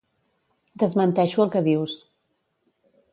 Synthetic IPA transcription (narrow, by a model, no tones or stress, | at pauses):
d̪əzmənt̪ɛʃuəlˠkəðiws